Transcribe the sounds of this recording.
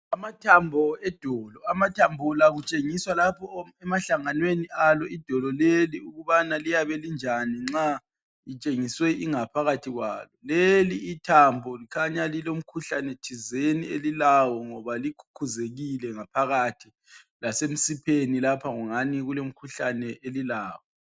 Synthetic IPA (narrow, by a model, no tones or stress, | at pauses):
amatʰambʱɔɛd̥ʱɔːlɔamatʰambʱɔlaɣut͡ʃʼeŋiswalapʰɔɛmaɬaŋanwenialɔid̥ʱɔlɔleliuɣuβanalijaβɛlind͡ʒʱaniŋ͡ǁa | it͡ʃʼeŋiswɛʔiŋapʰaɣatʰiɣwa̰ːlɔleliːtʰambʱɔlikʰaɲalilom̩kʰuɬanɛt͡ʃʰizenielilawɔŋɔβalikʰu̥kʰuzeɣilɛŋapʰaɣatʰi | lasem̩sipʰenilapʰaŋɔŋaniɣulom̩kʰuɬanɛelilaːwɔ